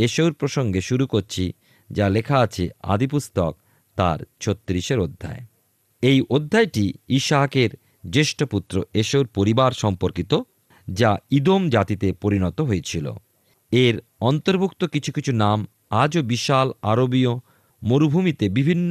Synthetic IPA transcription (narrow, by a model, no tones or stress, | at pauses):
eʃowɾpɾoʃoŋɡeʃuɾukoɾt͡ɕʰi | d͡ʑalekʰaat͡ɕʰea̰d̪ipust̪ok | t̪a̰ɾt͡ɕʰot̪ːɾiʃeɾod̪ʱːa̰e | ejʔod̪ʱːaeʈiiʃakeɾ | deʃʈoput̪ːɾoeʃowɾpoɾibaɾʃɔmpoɾkit̪o | d͡ʑaid̪omd͡ʑat̪it̪epoɾinɔt̪oɦoet͡ɕʰilo̰ | eɾ | ɔnt̪oɾbʱukt̪okit͡ɕʰukit͡ɕʰunam | ad͡ʑobiʃalaɾobio | moɾubʱumit̪ebibʱinː